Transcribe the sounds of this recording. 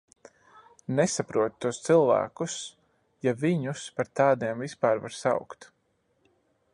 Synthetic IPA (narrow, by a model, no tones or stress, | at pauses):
nɛsapɾuɔt̪t̪ːuɔst̪silˠvæ̰ːkus | javiɲuspaɾt̪aːd̪iɛmvispaːɾva̰ɾsa̰wkt̪